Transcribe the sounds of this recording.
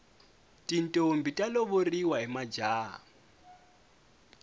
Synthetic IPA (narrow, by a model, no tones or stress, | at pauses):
tʼintʼombitʼaloβoriwaɦimad͡ʒaːɦa̰